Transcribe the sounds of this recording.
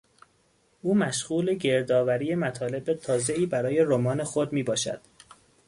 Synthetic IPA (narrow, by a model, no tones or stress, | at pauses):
ʔuːmæʃɣuːle̞ɟe̞ɾd̪ɒːvæɾije̞mæt̪ʰɒːle̞bet̪ʰɒːze̞iːbæɾɒːje̞ɾomɒːne̞xod̪miːbɒːʃæ̰d̪̥